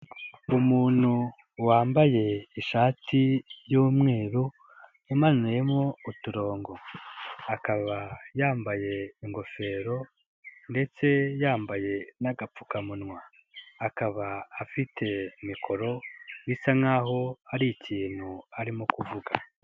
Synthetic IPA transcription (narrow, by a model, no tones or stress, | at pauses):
umuːn̥hu | waːmbaje̞iʃaːtʰijuːmŋe̞ːɾu | umanwijemŋo̞utuɾo̞ːŋɡo̞akaβajaːmbaje̞iŋɡo̞fe̞ːɾo̞ | nde̞t͡se̞jaːmbaje̞naɡap͡fukamunŋwaː | kaβaːfitʰe̞mikʰo̞ɾo̞nisaŋaːɦo̞aɾiiciːn̥huaɾimokuvuɡa